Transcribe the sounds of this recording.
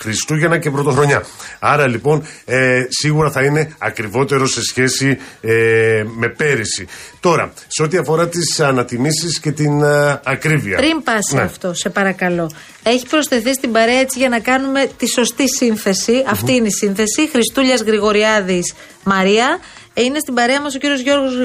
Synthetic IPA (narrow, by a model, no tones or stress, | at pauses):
xɾist̪uʝenɐcepɾo̞t̪o̞xɾo̞ɲɐɐɾɐlipo̞n | siɣuɾɐθɐine̞ɐkɾivo̞t̪e̞ɾo̞se̞sçe̞sieme̞pe̞ɾisit̪o̞ɾɐ̰seo̞t̪iɐfo̞ɾɐt̪isɐnɐt̪imisisce̞t̪inɐkɾiviɐ̰pɾimpɐsiɐft̪o̞se̞pɐɾɐkɐlo̞ | e̞çi̥pɾo̞sθe̞θist̪imbɐɾe̞ɐe̞t͡siʝɐnɐkɐnume̞t̪iso̞st̪isinθe̞siɐft̪iineisinθe̞sixɾist̪uʎɐzɣɾiɣo̞ɾiɐðis | mɐɾiɐ | ine̞st̪ibɐɾe̞ɐmɐs̬o̞ciɾio̞zʝo̞ɾɣoz